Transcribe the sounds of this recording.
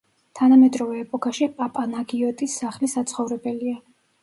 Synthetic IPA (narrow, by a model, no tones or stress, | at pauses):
t̪ʰanamɛd̪ʼɾɔvɛːpʼɔkʰaʃipʼapʼanaɡiɔt̪ʼisːaχlisat̪sʰχɔvɾɛbɛlia